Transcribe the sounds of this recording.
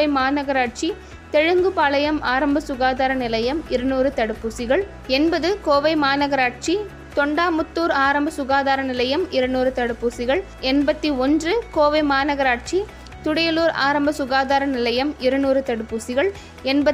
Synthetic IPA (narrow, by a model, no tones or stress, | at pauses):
ɐɪmaːnɐɣɐɾaːʈ̚t͡ʃi | t̪ɛɻɯŋɡɯpaːlɐjɐmaːɾɐmbɐsʊɣaːðaːɾɐnɪlɐjɐmɪɾɐnuːrɯt̪ɐɽɯpːuːsɪɣɐɭ | ɛnbɐðɯkoːʋɐɪmaːnɐɣɐɾaːʈ̚t͡ʃi | t̪ɔɳɖaːmʊt̪ːuːɾaːɾɐmbɐsʊɣaːðaːɾɐnɪlɐjɐmɪɾɐnuːɾɯt̪ɐɽɯpːuːsɪɣɐɭ | ɛnbɐt̪ːiɔndrɯkoːʋɐɪmaːnɐɣɐɾaːʈ̚t͡ʃi | t̪ʊɽɐjɐluːɾa̰ːɾɐmbɐsʊɣaːðaːɾɐnɪlɐjɐmɪɾɐnuːɾɯt̪ɐɽɯpːuːsɪɣɐɭ | ɛnbɐ